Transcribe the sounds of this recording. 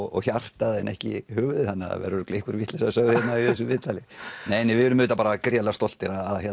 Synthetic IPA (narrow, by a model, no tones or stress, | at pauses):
ɔ̰ɣçar̥t̪aðɛnɛhcɪ̰hʏːɣðɪθanːa̰vɛ̰ɾʏɾʏkleːhkʏɾviht̪lɛsasœɣðʏhjɛt̪naiθɛsːʏmvɪːðt̪alɪneːjnɛvɪðʏɾʏmːʏːt̪apaːɾakɾjalɛɣast̪ɔl̥t̪ɪɾaðaðçɛ